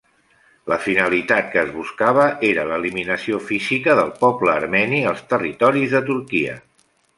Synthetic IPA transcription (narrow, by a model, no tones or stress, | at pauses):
ləfinəlit̪at̪̚kəːzβuskaβ̞əʔeɾələːliminəsiofizikəðəlˠpɔpləːɾmɛniəlˠst̪ərit̪ɔɾizðət̪uɾkiə̰